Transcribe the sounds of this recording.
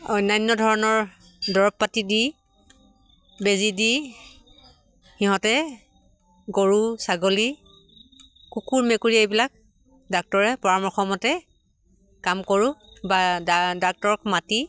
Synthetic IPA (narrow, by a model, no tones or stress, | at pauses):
ɔjnajnːɔdʱɔɹɔnɔɹ | dɔɹɔpːatidi | bezidi | xiɦɔ̃tɛ | ɡoɹusaɡoli | kukuɹmekuɹiejbilak̚ | dak̚tɔɹɛpɔɹamɔɹxɔmɔtɛ | kamkoɹubaadak̚tɔɹɔkmati